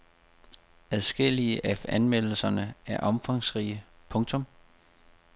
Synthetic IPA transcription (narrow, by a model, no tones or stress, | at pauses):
æðˠsɡ̥el̰iəʔæfænmel̰l̩sɐnəæɐʔɒ̽mfɑ̈ŋsʁiːə | pʰɔ̽ŋt͡sʰɔ̽m